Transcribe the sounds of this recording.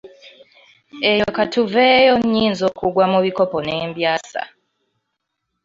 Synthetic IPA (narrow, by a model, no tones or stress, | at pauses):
ejokatuveːjoɲːiːnzokuɡwamuβikoponeːmbjaːsa̰